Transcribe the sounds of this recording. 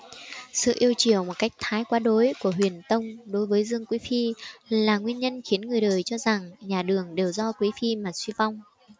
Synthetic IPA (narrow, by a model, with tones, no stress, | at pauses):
sɨ̰˧˨ʔi˧əwt͡ɕi˧˩əwmo˨˩t̚ka˦˥jk̟̚t̪ʰaː˨˦jkwaː˨˦ɗo˨˦jku˧˩əɦwi˨˩ənt̪ə˧wŋ͡mɗo˨˦jvəː˨˦jzɨ˧əŋkwi˨˦fi˧laː˨˩ŋwi˧ənɲə˧nxi˨˦ənŋɨ˨˩əjɗəː˨˩jt͡ɕɔ˧za˨˩ŋɲaː˨˩ɗɨ˨˩əŋɗe˨˩wzɔ˧kwi˨˦fi˧maː˨˩swi˧va˧wŋ͡m